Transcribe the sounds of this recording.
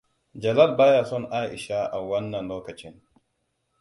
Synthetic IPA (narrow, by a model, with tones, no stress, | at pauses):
d͡ʒɐ˨la˦˨lbaː˦jaː˨sɔ˦nʔa˦ʔɪ˨ʃa˦ʔa˨wɐ˦nːɐ˨nloː˦kɐ˨t͡ʃɪ˦n